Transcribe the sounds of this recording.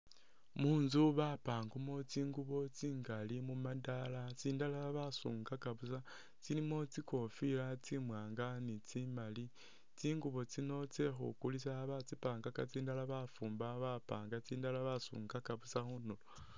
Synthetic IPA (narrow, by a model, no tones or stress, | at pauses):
munzuβapaːŋɡumo̞t͡siːŋɡuβo̞t͡siːŋɡalimumadalat͡siːndalaβasṵːŋɡakaβusa | t͡silimo̞t͡siko̞filat͡simwaːŋɡanit͡simali | t͡siːŋɡuβo̞t͡sino̞t͡se̞xṵkulisaβat͡sipaːŋɡakat͡siːndalaβafuːmbaβapaːŋɡat͡siːndalaβasṵːŋɡakaβusaxunulo